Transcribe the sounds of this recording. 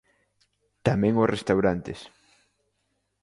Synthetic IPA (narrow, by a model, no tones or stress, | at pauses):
t̪amɛ̃ŋʊsrest̪awɾant̪es